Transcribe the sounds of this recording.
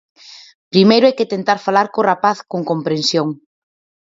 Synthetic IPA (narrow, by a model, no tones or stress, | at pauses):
pɾimejɾʊɛjkɪt̪ent̪aɾfalaɾkorapaθkoŋkompɾensjoŋ